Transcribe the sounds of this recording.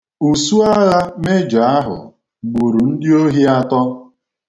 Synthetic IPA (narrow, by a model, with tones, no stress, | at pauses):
u˨su˦a˦la˦me˦d͡ʒa˨˦a˦ɦʊ̰˨ | ɡ͡bu˨ɾu˨n̩˦dɪ˦o˦ɦi˦a˦tɔ˦